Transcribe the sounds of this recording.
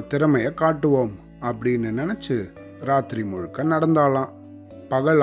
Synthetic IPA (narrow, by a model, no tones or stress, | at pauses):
t̪ɪɾɐmɐjɐkaːʈːɯʋoːm | ɐpːɐɽɪnːɯnɪnɛt͡ʃːɯ | ɾaːt̪ɾimɔɻɯkːɐnɐɽɐnd̪aːlãː | pɐɣɐɭ